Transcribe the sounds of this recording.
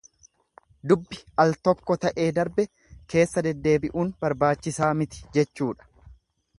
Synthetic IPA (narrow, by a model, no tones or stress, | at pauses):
d̪ʊbːɪʔɐlt̪ɔkːɔt̪ɐʔe̞ːd̪ɐɾbɛ | kʰe̞ːsːɐd̪ɛd̪ːe̞ːbɪʔuːnbɐɾbaːt͡ʃːɪsaːmɪt̪ɪ̥d͡ʒɛt͡ʃːuːᶑɐ̥